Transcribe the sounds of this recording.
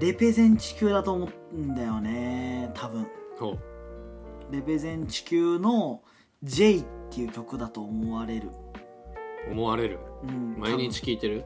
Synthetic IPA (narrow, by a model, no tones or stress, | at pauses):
ɾe̞pe̞zẽ̞ɲ̟t͡ɕi̥kʲɨːd̪at̪o̞ːmot̪ɯnd̪ajo̞ne̞t̪ʰabɯ̟̃ɴhoː | ɾe̞pe̞zẽ̞ɲ̟t͡ɕi̥kʲɨːno̞ | d͡ʑe̞it̪ːe̞jɯ̟kʲo̞kɯ̟d̪at̪o̞ːmoβaɾe̞ɾɯ̟̰ | omo̞βaɾe̞ɾɯ̟ɯ̟̃ɴmaiɲ̟it͡ɕi̥kʲiːt̪e̞ɾɯ̟